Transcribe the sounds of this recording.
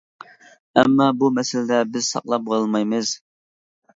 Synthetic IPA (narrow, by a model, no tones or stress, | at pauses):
ɛ̰mːɑbumɛsɪlɪd̪ɛbɪz̥sɑ̰qlˠɑp̚bɑlˠmɑjmɨz̥